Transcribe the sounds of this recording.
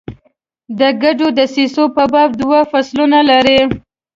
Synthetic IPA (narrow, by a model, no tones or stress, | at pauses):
d̪əɡaɖod̪əsisopəbɑb̚d̪wafaslunalaɾi